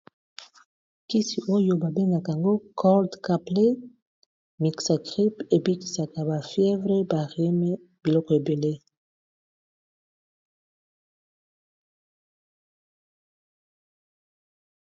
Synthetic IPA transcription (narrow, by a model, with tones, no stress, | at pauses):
ki˦si˨ʔo˦jo˨ba˨be˦na˨ka˨a˨ŋɡo˦kʰɔ˦ldka˨ple˦ | mi˨ksa˨kʁi˦pe˨bi˦ki˨sa˨ka˨ba˨fjɛ˦vʁe˦ba˨ʁi˦me˦ | b̥i˨lɔ˦kɔ˨e˨be˨le˦